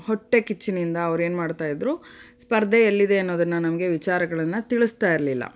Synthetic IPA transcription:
hoʈːe̞kit͡ʃːinind̪ɐːʋɾe̞ːnmaːɖt̪aːjid̪ɾuːspɐɾd̪ʱeɐlːid̪e̞ɐnːo̞ːd̪ɐnːɐnɐmɐɡe̞ʋit͡ʃaːɾɐɡɐɭɐnːɐt̪iɭust̪aːjiɾlilːɐ̰

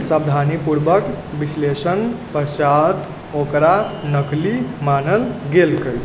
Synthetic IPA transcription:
sabd̪ʱanipuɾbək | bislesənpət͡ʃat̪ | okɾanəklimanəlɡelkəjt̪

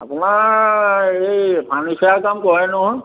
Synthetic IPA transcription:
a̰punaɹ | ejpʰanisaakamkɔɹɛnɔɦɔ̃

